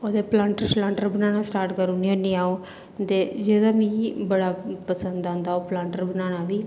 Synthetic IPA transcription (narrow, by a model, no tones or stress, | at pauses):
od̪eplãːɳʈəɾt͡ʃlãːɳʈəɾbənaːɽ̃asʈaːɾʈkəɾuːnionĩaːo | t̪ed͡ʒeːd̪amĩbəɽapəsə̃nd̪ãːnd̪aːoplãːɳʈəɾbənaːɽ̃aːʋiː